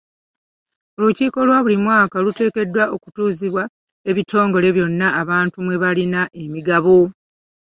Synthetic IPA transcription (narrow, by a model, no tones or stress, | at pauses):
oluciːko̞lwaːβulimwaːkalute̞ːke̞dːwaʔo̞ku̥tuːziβwa | e̞βitʰo̞ːŋɡo̞le̞βjo̞nːaːβaːntumwe̞βalinaʔe̞miɡaβo